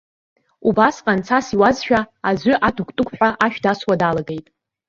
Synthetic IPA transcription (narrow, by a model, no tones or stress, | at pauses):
ubasqʼant͡sʰasiwazʃᶣaazʷʏʔatʰukʼtʼʊkʷʰʼħᶣʷaʔaʃᶣdaswadalaɡe̞jtʼ